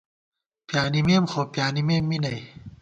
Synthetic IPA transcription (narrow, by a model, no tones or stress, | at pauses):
pjaːnimemxɔpjaːnimemːiːnaj